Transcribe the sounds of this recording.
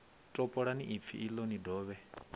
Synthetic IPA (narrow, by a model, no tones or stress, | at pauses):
tʼɔpʼɔɺaniʔip̪fʰḭʔilonidɔːβɛ